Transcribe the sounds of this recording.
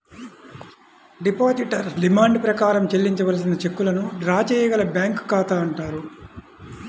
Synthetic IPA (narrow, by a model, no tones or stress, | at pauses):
ɖipaːsiʈɐɾsɖimaːɳɖpɾɐkaːɾɐmt͡ʃe̞lːiɲt͡ʃɐʋɐls̬inɐt͡ʃe̞kːulɐnuɖɾaːt͡ʃɛːjɐɡɐlɐbjaːŋkkaːt̪aːɐɳʈaːɾu